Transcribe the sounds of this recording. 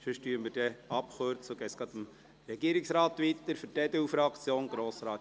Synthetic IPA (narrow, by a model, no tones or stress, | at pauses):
ʃøʃtyːɾəmɪɾd̥ɛɑpχʊɾt͡suɡ̥ɛːt͡ssɡ̥ɑd̪əm | ɾɛɡiːəɾɪksɾɑːt̪ʋit̪əɾfəɾtɛd̪əufɾɑkt͡sjoːnɡɾoːsɾɑːt